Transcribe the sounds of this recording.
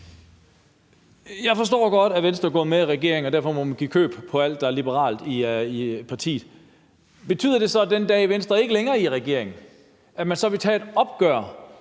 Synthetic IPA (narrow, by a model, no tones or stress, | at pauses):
jɑ̈ɪfɒ̽s̬d̥ɔ̰ːɡ̥ɒ̽d̥æʋensd̥ʁɐɡɔ̰̽ːmeiʁɛɡ̥e̝̰ɐ̰eŋɒ̽d̥æɐ̰fɒ̽momænɡ̥ikʰø̰ːb̥pʰɒ̽æl̰d̥ːɑ̈æɐlib̥əʁɑ̰̈ːld̥iipʰɑ̈t͡sʰḭːð̩ˠ | b̥e̝t͡sʰy̰ð̰ˠɐd̥e̝sɒ̽d̥end̥ɛ̰ːiʋensd̥ʁɐe̝ɡ̥əleŋɐːiʁɛɡ̥e̝ɐ̰e̝ŋn̩ | æmænsɒ̽ʋe̝t͡sʰɛ̰d̥ɒ̽b̥ɡ̥ɶɐ̰